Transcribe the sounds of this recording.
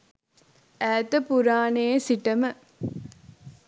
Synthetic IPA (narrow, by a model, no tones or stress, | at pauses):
ʔæːt̪əpuɾaːneːsiʈɐmə